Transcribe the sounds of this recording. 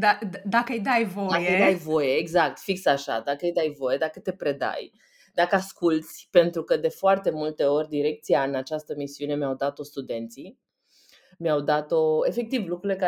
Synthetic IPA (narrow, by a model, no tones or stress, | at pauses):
d̪ad̪akəjd̪ajvod̪ajkeəjd̪ajvo̞je̞ːɡzak̚t̪fiksaʃa̰d̪akəjd̪ajvo̞je̞d̪akət̪e̞pɾe̞d̪a̰j | d̪akəaskult̪sʲpe̞nt̪ɾukəd̪e̞foart̪e̞mult̪e̞o̞rʲd̪iɾe̞k̚t̪sijaɨnat͡ʃast̪əmisiune̞mjawd̪at̪o̞st̪ud̪e̞nt̪si | mjawd̪at̪o̞e̞fek̚t̪ivlukɾuɾile̞ka